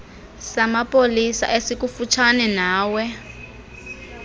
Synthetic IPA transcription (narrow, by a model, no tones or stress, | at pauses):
samapʼolisa̰ʔesik̬ufut͡ʃʰanɛnaːwɛ